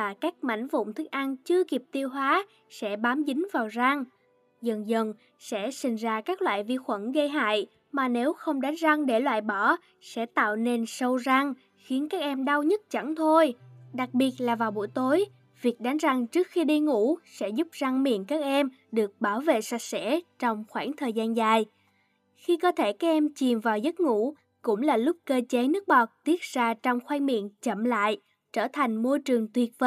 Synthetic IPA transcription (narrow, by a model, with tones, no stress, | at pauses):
vaː˨˩kaː˦˥k̚ma̰˧˨jŋ̟vʊ̰˧˨wŋ͡mt̪ʰɨ˦˥k̚ʔa˧nt͡ɕɨ˧əki˨˩əp̚t̪i˧əwɦwaː˨˦ | sɛ̰˧˥ɓaː˨˦mzï˨˦ŋ̟vaː˨˩wza˧ŋ | zə˨˩nzə˨˩n | sɛ̰˧˥sï˨˩ŋ̟zaː˧kaː˦˥k̚lwa̰ː˧˨jvi˧xwə˧˩nɣə˧jɦa̰ː˧˨j | maː˨˩ne˨˦wxə˧wŋ͡mɗa˨˦ŋza˧ŋɗe˧˩lwa̰ː˧˨jɓɔ˧˩ | sɛ̰˧˥t̪a̰ː˧˨wne˧nsə˧wza˧ŋ | xi˨˦ənkaː˦˥k̚ʔɛ˧mɗa˧wɲə˦˥t̚t͡ɕa̰˧˩nt̪ʰo˧jɗa˨˩k̚ɓi˨˩ət̚laː˨˩vaː˨˩wɓu˧˩əjt̪o˨˦j | vi˨˩ək̚ɗa˨˦ŋza˨˩ŋt͡ɕɨ˦˥ək̚xi˧ɗi˧ŋṵ˧˥sɛ̰˧˥zʊ˦˥p̚za˧ŋmḭ˧˨ənkaː˦˥k̚ʔɛ˧m | ɗɨ˨˩ək̚ɓaː˧˩wvḛ˧˨sa˨˩k̚sɛ̰˧˥t͡ɕɔ˧wŋ͡mxwaː˧˩ŋt̪ʰəː˨˩jzaː˧nzaː˨˩j | xi˧kɔ˨˦t̪ʰe˧˩kaː˦˥k̚ʔɛ˧mt͡ɕi˨˩mvaː˨˩wzə˦˥t̚ŋṵ˧˥ | kʊ̰˧˥ŋ͡mlaː˨˩lʊ˦˥k͡p̚kəː˧t͡ɕe˨˦nɨ˦˥ək̚ɓɔ˨˩k̚t̪i˦˥ət̚z̥aː˧t͡ɕɔ˧wŋ͡mxwɛː˧ŋmḭ˧˨ənt͡ɕə˧˨mla̰ː˧˨j | t͡ɕəː˧˩t̪ʰa˨˩jŋ̟mo˧jt͡ɕɨ˨˩əŋt̪wi˨˩ət̚və˧˦